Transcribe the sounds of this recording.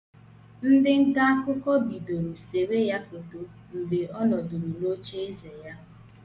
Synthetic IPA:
n̩˦dɪ˦ŋ̩˦ka˦a˦kʊ˦kɔ˦bi˨do˨ɾu˨se˨we˦ja˦ko˨to˨ | m̩˨be˨ʔɔ˦nɔ˨du˨ɾu˨lo˦t͡ʃe˦e˦ze˨ja˦

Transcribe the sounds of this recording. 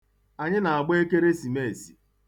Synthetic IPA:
a˨ɲɪ˦na˨a˨ɡ͡be˦ke˦ɾe˦si˨me˦˨e˨si̥˨

